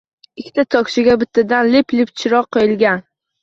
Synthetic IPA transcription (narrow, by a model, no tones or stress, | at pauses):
ɪkʲʰːt̪at̪ʰɒkʲʃɪɡʲabɪt̪ʰːad̪anlɪplɪpt͡ʃʰɪɾɒqʰːojɪlɡʲan